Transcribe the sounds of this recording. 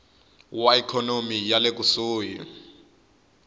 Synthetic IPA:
waikʰɔnomijalek̬usuːjḭ

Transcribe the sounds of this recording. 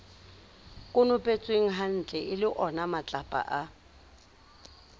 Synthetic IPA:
kʼʊnʊpʼet͡sʼweŋ̩ɦan̩t͡ɬʼɛʔɪlɪʔɔnamat͡ɬʼapʼa̰ʔa

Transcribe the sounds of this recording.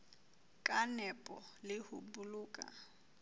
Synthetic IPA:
kʼanɛpʼɔlɪhṵbuluːkʼa̰

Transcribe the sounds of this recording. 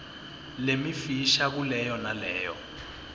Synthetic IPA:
lemifiʃak̬ulɛjɔnalɛːjɔ̰

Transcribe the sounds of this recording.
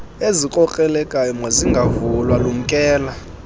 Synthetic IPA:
ezikʼɔkʼɛlɛkʼajɔmɔziŋɡʱavulwalum̩kʼɛːla

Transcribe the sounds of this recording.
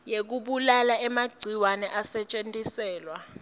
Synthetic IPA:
jek̬uɓulalaɛmaɡ͡ǀʱiwanɛʔasɛt͡ʃʼentʼisɛːlwa

